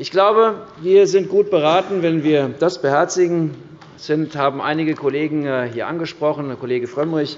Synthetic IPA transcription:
ʔɪçɡ̥laʊbəviːɐzɪnt̚ɡ̥uːt̚b̥əʁaːtn̩vɛnviːɐd̥asb̥əhɛɐt͡sɪɡŋ̩ | z̥ɪnthaːbm̩ʔa̰ɪnɪɡəkʰoleːɡŋ̩hiːɐʔa̰nɡəʃpʁ̥ɔχn̩kʰoleːɡəfʁ̥œmʁɪç

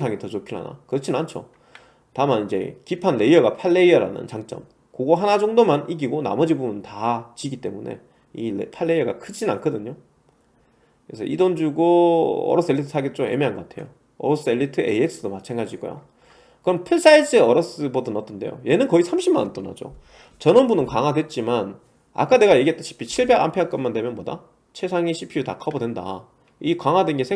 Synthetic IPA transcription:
sʰaŋitʌt͡ɕokʰiɭɦa̰na̰kɯɾʌt͡ɕʰinnant͡ɕʰo̰ | tamanid͡ʑe̞̰kipʰanle̞iʌɡapʰaɭːe̞iʌɾa̰nɯ̰nt͡ɕaŋt͡ɕ͈ʌ̰m | koɡoɦanad͡ʑʌŋdomaniɡiɡona̰mʌd͡ʑibumuntat͡ɕiɡit͈e̞mune̞̰ | ipʰaɭːe̞iʌɡakʰɯd͡ʑinankʰʌdɯɲo | kɯɾesʰʌ̰ʔidond͡ʑuɡoʌ̰ɾʌs͈ɯe̞ɭːitʰɯsʰaɡet̚t͡ɕ͈oe̞̰meanɡʌk͈atʰe̞̰jo̰ | ʌ̰ɾʌs͈ɯeɭːitʰɯḛiek̚s͈ɯdomat͡ɕʰeŋɡad͡ʑiɡo̰jo̰ | kɯɾʌmpʰɯɭs͈aiseʌɾʌs͈ɯbodɯnʌtʰɯnde̞̰jo̰je̞nɯnkʌisʰamɕʰimːanʌnt͈ona̰d͡ʑo̰ | t͡ɕʌnʌnbunɯnkaŋadwet̚t͡ɕ͈iman | a̰k͈ane̞ɡajeɡiet͈aɕʰi̥pʰit͡ɕʰiɭbeɡa̰mpʰeak͈ʌnmandwe̞mjʌnboda̰ | t͡ɕʰe̞sʰaŋiɕʰipʰiutakʰabodwenda̰ | ikaŋadwenɡe̞sʰe

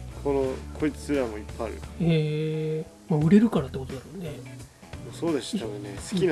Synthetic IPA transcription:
kʰo̞nokʰo̞it͡sɨ̥sɨɾamo̞ipːaaɾɯ̰eː | maɯ̟ɾe̞ɾɯ̟kaɾat̪ːe̞ko̞t̪o̞d̪aɾone̞ | mosoːd̪eɕononesɨ̥kʲin

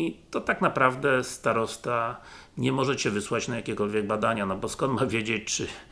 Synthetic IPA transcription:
it̪ɔt̪aknapɾavd̪ɛst̪aɾɔst̪a | ɲɛmɔʐɛt͡ɕɛvɘswat͡ɕnajakʲɛkɔlvʲjɛɡ̚bad̪aɲanɔbɔskɔnt̪mavʲjed͡ʑet͡ɕt͡ʂɘ

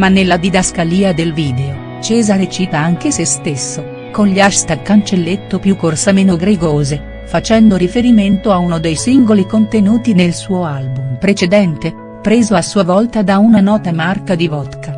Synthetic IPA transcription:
manːelːad̪id̪askaliːad̪elviːd̪eo | t͡ʃɛːzaɾet͡ʃiːt̪aaŋk̟esest̪esːo | konʎaʃt̪akːant͡ʃelːet̪ːopjukːorsameːnoɡɾeɡoːze | fat͡ʃɛnd̪oɾifeɾiment̪oaunod̪ejsiŋɡolikont̪enuːt̪inelsuːoalbumpɾet͡ʃed̪ɛnt̪e | pɾeːzoasuːavɔlt̪ad̪aunanɔːt̪amarkad̪ivɔt̪ka

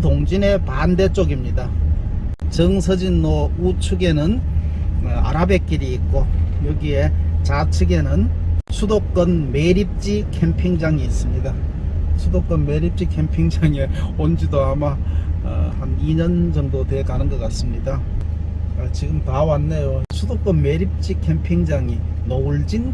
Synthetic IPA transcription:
toŋd͡ʑine̞pande̞t͡ɕ͈oɡimɲida | t͡ɕɯŋsʰɯd͡ʑinːout͡ɕʰuɡe̞nɯn | a̰ɾabe̞k͈iɾiːk̚k͈ojʌɡie̞t͡ɕat͡ɕʰɯɡe̞nɯnsʰudok̚k͈ʌnme̞ɾip̚t͡ɕ͈ikʰempʰiŋd͡ʑaŋiːs͈ɯmɲida | sʰudok͈ʌnme̞ɾip̚t͡ɕ͈ikʰe̞mpʰiŋd͡ʑaŋeond͡ʑidoama̰ | haniɲʌnd͡ʑʌŋdotwe̞kanɯnɡʌk͈as͈ɯmɲida | t͡ɕiɡɯmtawanːejosʰudok͈ʌnmeɾip̚t͡ɕ͈ikʰe̞mpʰiŋd͡ʑaŋi | nouɭd͡ʑin

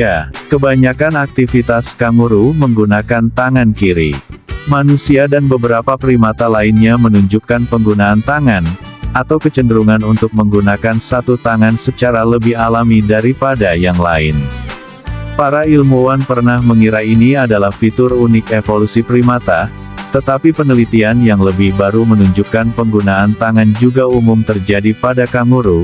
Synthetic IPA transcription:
jakəbaɲakanak̚t̪ifit̪askaŋuɾuməŋɡunakant̪aŋankiɾḭmanusiadanbəbəɾapapɾimat̪alaɪnɲamənuɲd͡ʒukanpəŋɡunaːnt̪aŋanat̪awkət͡ʃəndəɾuŋanunt̪ʊk̚məŋɡunakansat̪ut̪aŋansət͡ʃaɾaləbɪhalamidaɾipadajaŋlaɪn | paɾailmuwanpərnahməŋiɾainiadalahfit̪ʊrunɪkefolusipɾimat̪a | t̪ət̪apipənəlit̪ianjaŋləbɪhbaɾumənuɲd͡ʒukanpəŋɡunaːnt̪aŋand͡ʒuɡaumʊmt̪ərd͡ʒadipadakaŋuɾu

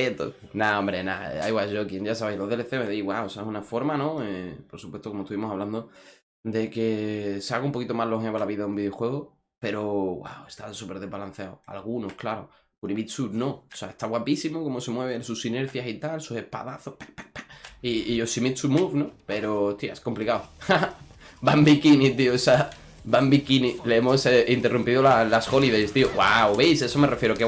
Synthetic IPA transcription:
et̪o̰ | naõmbɾe̞na̰ḛa̰jɣwaʝo̞kje̞ɲʝas̬aβejloðeleθeoeðiɣwa̰osaehunafo̞ɾmanõepoɾsupwe̞t̪okomot̪uβimosaβland̪o | d̪e̞ke̞seaɣaumpokit̪o̞malo̞ɦeβalaβiðaðumbiðjo̞xwe̞ɣ̞o | pe̞ɾo̞ɣwa̰we̞st̪ansupe̞ɾðe̞ɦβalan̟θjaoa̰lɣuno̞hklaɾo̞ | kuniβit̪suɾnõ̞̥seaest̪aɣwapisimoko̞mo̞se̞mwe̞β̞esusine̞ɾθjasit̪alsuse̞hpa̰ðaθo̞hpeppiːʝosimit̪sumufnope̞ɾoost̪ja̰esko̞mplikawabambikinit̪iosa | bambikinileemo̞seint̪e̞rumpiðolalasxo̞liðest̪iowawβe̞jse̞some̞refjeɾoke

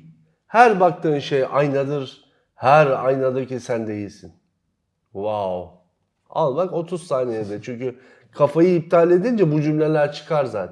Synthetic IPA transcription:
hæɾbak̚t̪ʰɯːnʃejajnad̪ɯɾ | hæɾajnad̪aɾcisænd̪e̞jilʲsin | vaw | a̰lˠmako̞t̪ʰuzsaːnejed̪ɛt͡ʃʰyɲcy | kʰafajɯːp̚t̪ʰaːlʲe̞d̪ind͡ʒɛbud͡ʒymlʲelʲæɾt͡ʃʰɯ̥kʰaɾzaːt̪ʰ

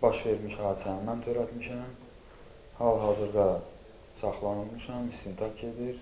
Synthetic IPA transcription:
bɑʃve̞ɾmiʃhɑːd̪i̥sænimænt̪ʰøɾæt̪miʃæm | hɑlˠɦɑːzɯɾd̪ɑ | sɑχlˠɑnɯlˠmɯʃɑmist̪int̪ʰɑkʰe̞d̪iɾ

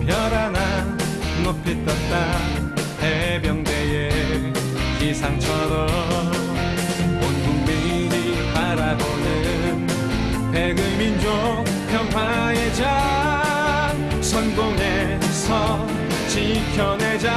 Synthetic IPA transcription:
pjʌɾana | nopʰit̪͈ʌt̚t͈a | hebjʌŋdeje | kisʰaŋt͡ɕʰʌɾʌ | m | onɡuŋmi | ɾi | paɾabonɯ | n | peɡɯmind͡ʑo | m | pʰjʌnpʰwa | ed͡ʑa | sʰʌnɡoŋe | sʰʌ | t͡ɕikʰjʌned͡ʑa

